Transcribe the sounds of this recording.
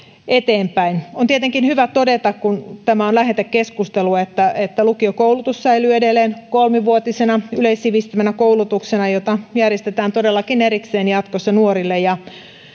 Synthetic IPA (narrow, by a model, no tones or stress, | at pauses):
et̪eːmpæinont̪iet̪eŋkinhyʋæt̪odet̪ɑkkunt̪æmæonlæhet̪ekkːeskust̪eluet̪ːæet̪ːælukiokoulut̪usːæilyedelːˑeːnkolmiʋuot̪isenɑyleisːiʋist̪imænækoulut̪uksenɑjot̪ɑjærjest̪et̪æːnt̪odelːɑkineɾikseːnjɑt̪kosːɑnuoɾilːejɑ